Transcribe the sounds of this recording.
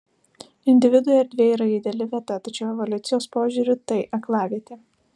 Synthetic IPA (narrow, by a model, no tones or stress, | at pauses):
ɪnʲd̪ʲɪʋʲɪd̪ʊjɛɛɾʲd̪ʲʋʲeːiːɾɐid̪ʲɛlʲɪʋʲiɛt̪ɐt̪ɐt͡ʃʲɛʊɛʋɔlʲʊt̪sʲɪjoːspoːʒʲuːɾʲɪt̪ɐɪʔɐklˠɑːʋʲiɛt̪ʲɪ